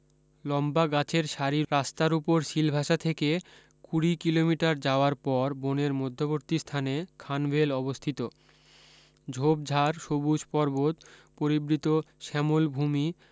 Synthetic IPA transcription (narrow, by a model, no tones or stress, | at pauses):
lɔmbaɡat͡ɕʰeɾʃaɾiɾast̪aɾupoɾʃilbʱaʃat̪ʰeke | kuɽikilomiʈaɾd͡ʑaoaɾpɔɾboneɾmod̪ʱːoboɾt̪ist̪ʰanekʰanbʱelɔbost̪ʰit̪o | d͡ʑʱobd͡ʑʱaɾʃobud͡ʑpɔɾbot̪poɾibɾit̪oʃɛmolbʱumi